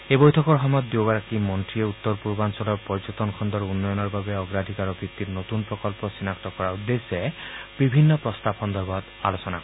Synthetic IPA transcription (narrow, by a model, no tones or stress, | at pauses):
ebɔjtʰɔkɔɹɦɔmɔjɔt̪̚d̪joɡaɾakimɔntɹieut̪ːɔɾpuɾbansɔlɔɹpɔɹd͡ʒot̪ɔnkʰɔnd̪ɔɾunːɔjɔnɔɹbabeɔɡɾadʱikaɾɔbʱɾit̪ːiɾnot̪unpɹɔkɔlpɔsinakt̪ɔkɔɹaud̪eseb̥ibʱinːɔpɾɔst̪apʰɔnd̪ɔbɔd̪ | alosɔna